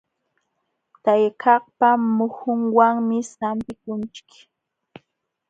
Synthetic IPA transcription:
t̪ajkʰɑχpamʊhʊŋwaŋmɪsampɪkʊnt͡ʃɪ̥k

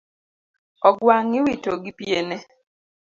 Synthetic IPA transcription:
ɔɡwaŋɪwitoɡipjenɛ

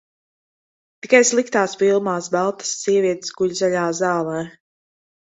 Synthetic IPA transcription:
t̪i̥kajslˠikt̪aːspilˠmaːsbalˠt̪ḁsːiɛviɛt̪sɡuʎzaʎaːzaːlˠɛː

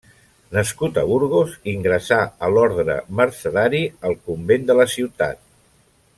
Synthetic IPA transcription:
nəskut̪əβuɾɣ̞oziŋɡɾəsaəlɔɾðɾə̰məɾsəðaɾiəlˠkumbend̪ələsiwt̪a̰t̪̚

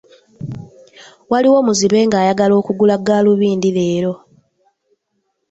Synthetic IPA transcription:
waliwo̞muziβe̞ːŋɡaːjaɡalo̞ːkuɡulaɡaːluβiːndileːɾo̞

